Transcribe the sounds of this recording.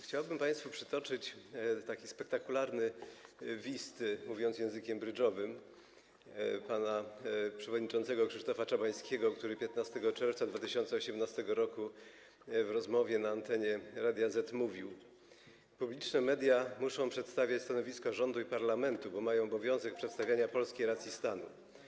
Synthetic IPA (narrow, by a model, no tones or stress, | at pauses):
xt͡ɕawbɘmpaj̃st̪fupʂɘ̥t̪ɔt͡ʂɘt͡ɕt̪akʲispɛk̚t̪akulaɾnɘ | vʲist̪muvʲjɔnt̪sjɛ̃w̃zɘkʲɛmbɾɘd͡ʐɔvɘm | panapʂɛvɔd̪ɲit͡ʂɔnt̪sɛɡɔkʂɘʂt̪ɔfat͡ʂabaj̃skʲɛɡɔkt̪uɾɘpʲjɛt̪nast̪ɛɡɔt͡ʂɛɾft̪sad̪vat̪ɘɕɔnt̪sɛɔɕɛmnast̪ɛɡɔɾɔku | vɾɔzmɔvʲjɛnaːnt̪ɛɲɛɾad̪ʲjazɛt̪muvʲiw | publʲit͡ʂnɛmɛd̪ʲjamuʂɔ̃w̃pʂɛt̪st̪avʲjat͡ɕst̪anɔvʲiskɔʐɔnd̪uipaɾlamɛnt̪ubɔmajɔ̃w̃ɔbɔvʲjɔ̃w̃zɛk̚pʂɛt̪st̪avʲjaɲapɔlskʲejɾat̪sʲist̪anṵ